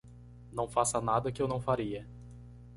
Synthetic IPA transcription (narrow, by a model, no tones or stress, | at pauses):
nɐ̃w̃fasɐnad̪ɐkɪewnɐ̃w̃faɾiɐ